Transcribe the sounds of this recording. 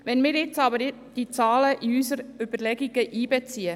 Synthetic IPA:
ʋɛnmiːɾjɪt͡sɑːbə | d̥it͡sɑːləʔiyːsəɾyb̥əɾlɛɡɪɡəʔiːbet͡siːə

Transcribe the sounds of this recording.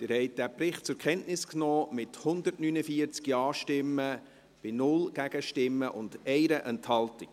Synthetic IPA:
d̪̥ɪɾhɛɪt̚d̥æpɾɪχt̚t͡sʊɾkχɛntnɪsknoːmɪthʊnd̪ətnynəfiəɾt͡skiɑːʃtɪmːə | b̥ɪnʊlɡ̥æɡ̥əʃtɪmːəʔʊndɛɪɾəʔɛnthɑltik

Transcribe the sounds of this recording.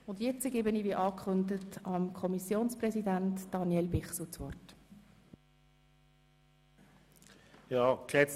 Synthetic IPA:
ʊndjɛt͡səɡ̥eːbəniːviʔɑːkχʏndətɑmkʰɔmisjoːnsprɛsidæntd̥ɑnjɛlbɪχsut͡sʋɔrt | jɑːkɛ

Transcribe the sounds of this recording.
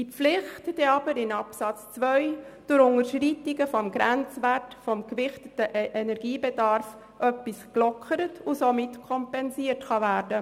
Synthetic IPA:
d̥ilɪχtd̥eɑbəɾɪnɑpsɑt͡st͡svœɥd̥ʊɾʊŋəɾʃɾitɪɡəfɔmɡɾænt͡sværtfɔmkvɪχtətəʔʔɛnɛɾɡ̥iːbɛdɑrf | ʔœpːisklɔkʰəɾətʰʊsomɪtkʰɔmpɛnziːərtχɑvæːɾdə

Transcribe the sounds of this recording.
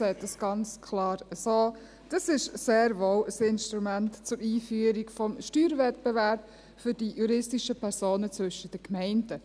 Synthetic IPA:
sɛɪt̚d̥ɑsɡ̥ɑnt͡skʰlɑːɾəsoː | d̥ɑsɪʃseːɾʋoːwəsɪnʃtɾumæntt͡sʊɾiːfyːəɾiɡfɔmʃtyːɾvɛtpɛvæɾp | fʏɾd̥ijuɾɪstiʃəpʰɛɾsoːnət͡sʋʏʃəd̥əkmɛɪnd̥ə

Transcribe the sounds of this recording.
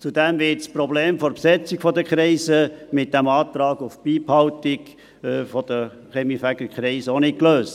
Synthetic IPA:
t͡sud̪ɛmvɪtsprɔbleːmfɔɾpsɛt͡sɪkfɔd̪əkʰχɾiɪsəmɪt̚d̥æmɑːt̪ɾɑːɡufbiːphɑʊtɪkː | fɔd̥̪ə | χɛmifæɡəkχɾiɪsəonɪtkløːst

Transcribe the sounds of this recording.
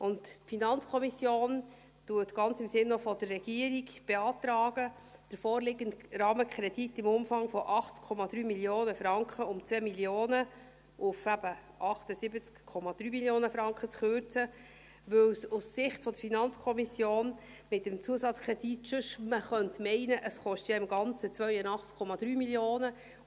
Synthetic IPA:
ʔʊnttfinɑnt͡skʰɔmisjoːn | tuːətɡ̥ɑnt͡sɪmsɪnːɔfɔdərːɛɡ̥iəɾiɡb̥eɑːt̪ɾɑːɡ̥ə | d̥əɾfɔːɾlɪɡəntɾɑːməkχɾɛd̥itːɪmʊmfɑŋfɔʔɑχt͡skʰɔmɑd̥ɾyːmiljoːnəfɾɑŋkχəʊmt͡sʋɛːmiljoːnə | ʔʊfæb̥ə | ʔɑχtəsɪbət͡skkʰːɔmɑd̥̪ɾyːmiljoːnəfɾɑŋkχət͡sχøɾt͡sə | ʋɵwsussɪχtfɔd̥əɾfinɑnt͡skʰɔmisjoːn | mɪtəmt͡suəsɑt͡skɾɛd̥itʃʉʃməχœntmɛɪnəʔəsχɔʃtjɑɪmɡ̥ɑnt͡sət͡sʋœʏənɑχt͡skʰɔmɑd̥ɾyːmiljoːnə

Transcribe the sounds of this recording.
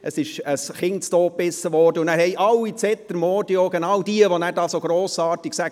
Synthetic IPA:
ʔəsɪʃəsχɪntstoːpːɪsəʋɔɾdəʊndæːɾhɛɪʔɑlːit͡sɛt̪əɾmoːdioɡ̥enɑwd̥iəʋonæːɾdɑːsoːɡ̥ɾoːsɑːɾtɪksæɡ

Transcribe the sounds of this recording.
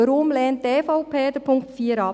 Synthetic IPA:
əɾʊmlɛːntteːfɔʊpʰeːd̥əpʰʊŋktfiːəɾɑ

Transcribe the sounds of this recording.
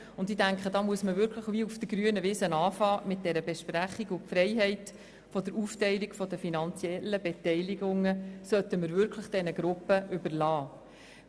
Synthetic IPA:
ʊndidæŋkχədɑːmuəsməvʏɾkʰləχʋiufd̥əɡɾyənəvɪːsənɑːfɑːmɪt̚d̥ɛɾəbeʃpræχiɡʊfɾɛɪɦɛɪt | fɔdəɾuftɛɪliɡfɔdəfinɑnt͡sjɛlːəbetɛɪliɡʊŋːəsœtːəməɾvʏɾkʰləχd̥ɛnəɡɾʊpːəʔʏbərlɑː

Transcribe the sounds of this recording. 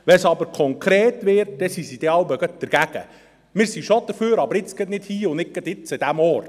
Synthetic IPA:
ʋɛnsɑbəɾkʰɔŋkʰɾeːtʋɪɾt̚d̥ɛsisid̥̪ɛɑwbɛɡət̚d̥əɾɡ̥æɡ̥ə̰ | mɪːɾsiʃod̥̪əɾføːɾɑbəɾɪt͡sɡ̥ətnɪthiːʊnɪk̚ɡ̥ət̪ɪt͡sɪdæmɔɾt

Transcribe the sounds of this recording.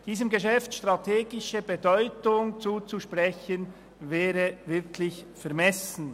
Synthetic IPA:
d̥iːsəmɡeʃɛftʃtʁ̥atʰeːɡɪʃəbedɔʏtʊŋt͡suːt͡suʃpʁɛçən | vɛːɾəvɪʁkʰlɪçfɛɐmɛsn̩

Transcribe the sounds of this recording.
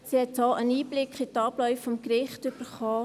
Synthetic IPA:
sihɛt̚dɔːʔəniːblɪkχitɑːb̥lœʏfːɔmkɾɪχtøb̥əɾχɑː

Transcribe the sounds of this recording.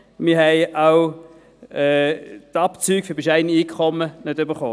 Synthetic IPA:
mɪɦɛɪaw | ɛːtapt͡syːkfʏbɪʃɛɪniiːkʰχɔmənødøbəχoː

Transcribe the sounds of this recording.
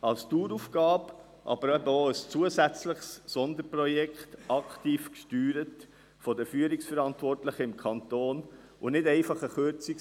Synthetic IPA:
ɑlstuːɾufɡ̥ɑːb | ʔɑ̰bəɾɛbəoəst͡suəsæt͡sləχsːɔnd̪əɾpɾɔjɛkχtɑktiːfkʃtyːɾət | fɔdəfyːəɾiksfɛɾɑntvɔrtləχəɪmkʰɑntoːn | ʔʊnɪdɛɪfɑχəχøɾt͡sɪk

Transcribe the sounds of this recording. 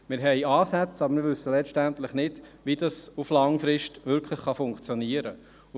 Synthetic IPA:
mɪːɾɦɛjɑːsæt͡sɑbəɾmɪɾʋʏsːəlɛtænt̪lɪχnɪd̥ʋidɑsuflɑŋfɾɪʃtʋʏɾkʰləχχɑfʊŋkt͡sjɔniəɾə

